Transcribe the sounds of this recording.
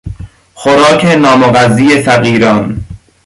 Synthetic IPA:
xoɾɒːkʰenɒːmoɣæzːijefæɣiːɾɒːn

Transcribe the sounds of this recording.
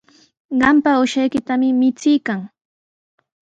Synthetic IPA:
ɢɑmpaʊʃajkɪt̪amɪmɪt͡sɪjkaŋ

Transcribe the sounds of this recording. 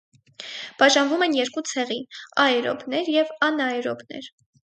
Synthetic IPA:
b̥ɑʒɑnvumɛnjɛɾkut͡sʰɛʁiɑɛɾɔ̰bnɛɾjɛvɑnɑɛɾɔ̰bnɛ̰ɾ

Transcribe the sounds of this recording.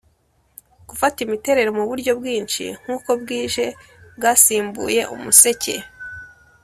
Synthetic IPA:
ɡ̥ufatimite̞ɾe̞ɾomuβuɾɟo̞bɡiːnʃḭŋ̥huːko̞bɡiːʒe̞ | bɡaːsiːmbṵːje̞ʔṵmuse̞ce̞̰

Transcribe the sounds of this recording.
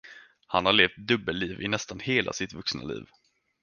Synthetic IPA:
hanhaɾɭeːft̪̚d̪ɵbːəlːiːvɪnɛst̪anheːlʔa̰sɪt̪vɵksna̰lḭːv

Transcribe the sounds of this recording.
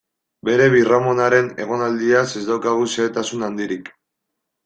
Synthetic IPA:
be̞ɾe̞βiramo̞naɾe̞ne̞ɣ̞o̞nald̪iase̞zd̪awkaɣuseːt̪asunand̪iɾik

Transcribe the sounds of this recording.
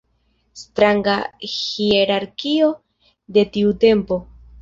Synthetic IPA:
st̪ɾaŋɡahieɾaɾkio̞ | d̪e̞t̪iute̞mpo̞

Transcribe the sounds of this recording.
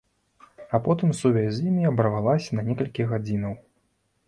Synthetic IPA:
apɔt̪ɨmsuvʲazʲzʲimʲiɐbɐɾvalˠasʲɐnɐnʲɛkɐlʲkʲiɣad͡zʲinɐw

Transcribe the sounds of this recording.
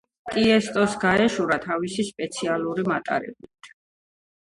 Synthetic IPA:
t̪ʼiɛst̪ʼɔsɡaɛʃuɾat̪ʰavisispʼɛt̪sʰialˠuɾimat̪ʼa̰ɾɛ̰bit̪ʰ

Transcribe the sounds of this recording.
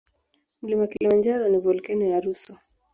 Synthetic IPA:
m̩limakilimand͡ʒaɾɔnivɔlkɛnɔjaɾuswa

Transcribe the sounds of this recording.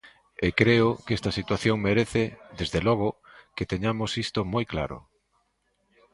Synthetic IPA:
ekɾeʊkest̪ɐsit̪waθjoŋmeɾeθɪd̪ezðelɔɣ̞ʊ | ket̪eɲamosist̪omojkla̰ɾʊ̰

